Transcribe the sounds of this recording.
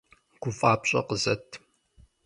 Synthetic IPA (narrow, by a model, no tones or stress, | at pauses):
ɡ̥ʷʊfʼaːpɕʼɐ̰qəzɐtʰ